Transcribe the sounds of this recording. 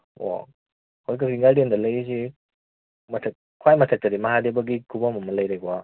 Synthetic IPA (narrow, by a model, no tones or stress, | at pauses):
wa̰ | hojkɐkiŋɡajdendɐlɐjizi | mɐtʰɐk̚ | kʰwajmɐtʰɐk̚tɐɾimɐɦadebɐɡikʰubamɐmɐlɐjɾajɡuwa